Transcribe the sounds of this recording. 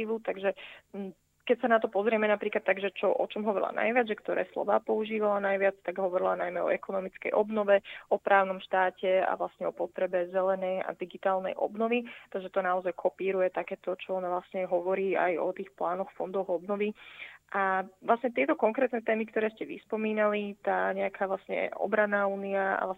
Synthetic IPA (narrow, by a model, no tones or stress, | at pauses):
iːʋut̪aɡʒɛ | kɛcsanat̪ɔpɔzɾɪɛmɛnapɾiːklat̪ːaɡʒɛt͡ʃɔʔɔt͡ʃɔmɦɔʋɔɾḭla̰na̰jʋɪad͡zʒɛkt̪ɔɾɛ̰ːslɔ̰ʋaːpɔuʒiːʋalanajʋɪat͡st̪aɡɦɔʋɔɾilanajmɛɔ̰ɛkɔnɔmit͡skɛ̰jʔɔbnɔʋɛɔpɾʔaːʊnɔmʃt̪aːcɛa̰ʋlasɲɛɔpɔt̪ɾɛbɛzɛlɛnɛja̰d̪iɡit̪aːlˠnɛ̰jʔɔ̰bnɔʋit̪aʒɛt̪ɔnaɔzajkʰɔpiːɾujɛt̪akɛːt̪ɔt͡ʃɔɔnaʋlasɲɛɦɔʋɔɾiːa̰jɔ̰t̪iːxplaːnɔxfɔnd̪ɔɣɔbnɔʋiaʋlˠasɲɛt̪ɪɛt̪ɔkɔŋkɾɛːt̪nɛt̪ɛːmikt̪ɔɾɛːscɛʋḭspɔmiːnalit̪aːɲɛakʰaːʋlasɲɛ̰ɔ̰bɾanːaːuːniaa̰la